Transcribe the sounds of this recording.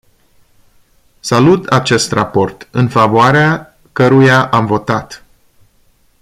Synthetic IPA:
salut̪at͡ʃe̞st̪rapo̞rt̪ɨnfavoaɾea | kəɾujaʔamvo̞t̪at̪

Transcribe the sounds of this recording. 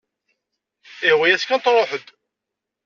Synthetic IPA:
ɪhwæjæskænt̪ɾˤoħəd̪

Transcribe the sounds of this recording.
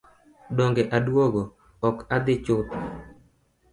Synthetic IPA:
dɔŋɡeʔadwoɡo | ɔkad̪ɪt͡ʃʊt̪

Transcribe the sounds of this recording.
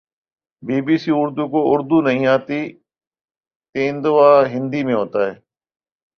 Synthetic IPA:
biːbiːsiːʊɾd̪uːkoːʊɾd̪uːnəɦĩːaːt̪iː | t̪ẽːnd̪oʋaːɦɪ̃nd̪iːmẽːɦoːt̪aːɦɛː

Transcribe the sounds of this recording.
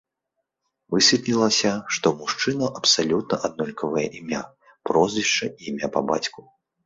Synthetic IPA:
vɨsʲvʲit̪nʲilˠɐsʲɐʂt̪ɔmuʂt͡ʂɨnɐʔɐpsalʲut̪̚nɐʔad̪nɔlʲkʰɐvɐjɛ̰ʔimʲa | pɾɔzʲvʲiʂt͡ʂɐiːmʲapɐba̰t͡sʲku

